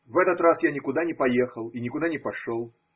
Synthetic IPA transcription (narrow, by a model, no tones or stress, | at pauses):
vɛt̪ət̪rasjanʲɪkʊd̪anʲɪpɐje̞xəlˠinʲɪkʊd̪anʲɪpɐʂolˠ